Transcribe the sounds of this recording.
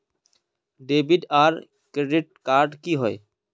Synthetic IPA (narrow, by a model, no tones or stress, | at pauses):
ɖebiɖaːɾ | kɾeɖiʈ̚kaɾɖkiɦɔe